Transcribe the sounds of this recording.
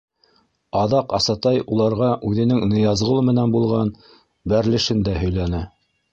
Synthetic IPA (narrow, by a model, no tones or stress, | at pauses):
ɑðɑqɑsɑt̪ɑjulˠɑɾʁɑʔʉðɘ̆nɘŋnɤ̆jɑzʁɤ̆lˠɤmɘ̆nænbulˠʁɑn | bæɾlɘ̆ʃɘnd̪æhɵ̆jlænɘ